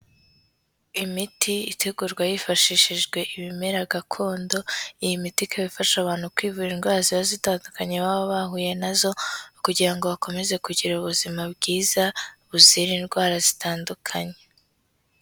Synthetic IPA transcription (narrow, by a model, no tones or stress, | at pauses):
imitiiteɡuɾɡwajifaʃiʃiʒɡwe̞ʔiβimeɾaɡakʰo̞ːndo̞ijimitikʰaβifaʃaβaːn̥hukwiːvuɾinɡwaːziβazitaːndukaɲe̞βaːβoβaɦuːje̞nazo̞kuɟiɾaŋɡo̞βako̞me̞ze̞kuɟiɾauβuzimabɡiːzauβuziɾinɡwaːɾazitaːndukʰaɲe̞